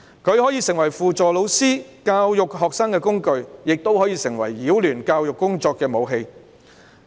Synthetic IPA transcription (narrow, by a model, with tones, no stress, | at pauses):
kʰɵ˨˧ɥhɔː˨˥jiː˨˧sɪ˨˩ŋwɐ˨˩jfuː˨t͡sɔː˨lo˨˧wsiː˥kaː˧wjʊ˨k̚ɦɔː˨k̚saː˥ŋkɛː˧kʊ˥ŋkɵ˧ɥjɪ˨k̚t̪o˥whɔː˨˥jiː˨˧sɪ˨˩ŋwɐ˨˩jːiː˨˥wlyː˨˩nkaː˧wjʊ˨kːʊ˥ŋt͡ʃɔː˧kːɛː˧mo˨˧wɦe˧j